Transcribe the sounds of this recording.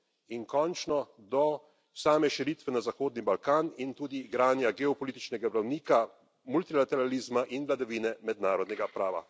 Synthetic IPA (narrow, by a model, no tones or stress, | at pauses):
inkɔnt͡ʃnɔd̪ɔ | saːmɛʃiɾit̪ʋɛnazaxoːd̪nibalkaːnint̪uːd̪iɡɾaːnjaɡɛɔpɔlit̪it͡ʃnɛɡabɾawniːka | mult̪ilat̪ɛɾaliːzmaʔinʋlad̪aʋiːnɛmɛd̪naːɾɔd̪nɛɡapɾaːʋa̰